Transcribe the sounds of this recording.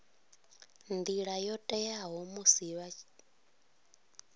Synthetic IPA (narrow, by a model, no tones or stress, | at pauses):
nd̪iɺajɔtʼɛjaɦɔmusiβa